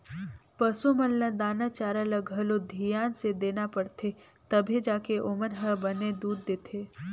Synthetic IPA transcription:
pəsumənːə̃d̪aːnat͡ʃaːɾələɡʱəlod̪ʱijaːnsed̪eːnapəɽt̪ʰe | t̪ɐbʱid͡ʒaːkeʔomənɦəbəned̪uːd̪ːeːt̪ʰeː

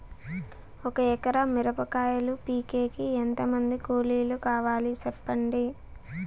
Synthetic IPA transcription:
ɔkɐɛkɐɾɐmiɾɐpɐkaːjɐlupiːkeːkient̪ɐmɐnd̪ikoːliːlukaːʋaːlisɛpːɐɳɖi

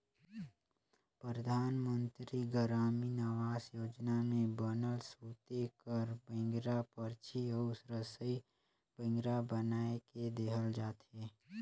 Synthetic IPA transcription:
pɾɾəd̪ʱaːnmə̃nt̪ɾiɡəɾaːminəʋaːsjoːd͡ʒnamẽbənəlsuːt̪ekəɾbẽŋɡɾapəɾt͡ʃiɔsɾəsəi | bə̃ŋɡɾabənaːeked̪eːɦəld͡ʒaːt̪eː

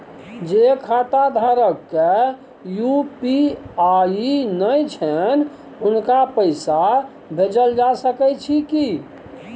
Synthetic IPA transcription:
d͡ʒekʰat̪ad̪ʱaɾəkːe | jupiainəjt͡ʃʰən | unkapəɪsa | bʱed͡ʒəld͡ʒasəkɛt͡ʃʰiki

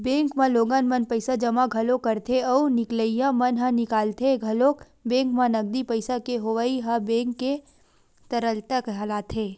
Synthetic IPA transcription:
bẽːŋkmãloːɡanmɐnpɐɪsad͡ʒɐmaɡʱɐlokɐɾt̪ʰeɔːnɪkləijãmɐnɦãnɪkaːlt̪ʰeɡʱɐloːk | bẽːŋkmãnɐɡ̚d̪ipəɪsakeɦoʋaːiɦɐbẽːŋkːe | t̪ɐɾəlt̪əkɦɐlaːt̪ʰeː

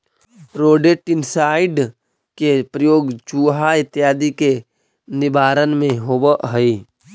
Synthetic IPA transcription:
ɾoːɖeʈɪnsaːɪɖ | kepɾəjoːɡd͡ʒuːɦaɪt̪ːjaːd̪ike | nɪbaːɾənmẽɦobəʔɦəi

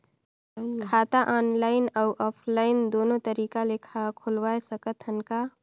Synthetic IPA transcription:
kʰaːt̪aʔɔːnlaɪnəʊʔɔːpʰlaɪnd̪oːnot̪əɾiːkalekʰakʰulwajsəkət̪ɦənka

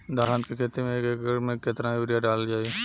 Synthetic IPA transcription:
d̪aːɾaːnt̪kekʰeːt̪emẽkekɡəɽmẽkːet̪ɾajuːɾijaɖaːld͡ʒaːe

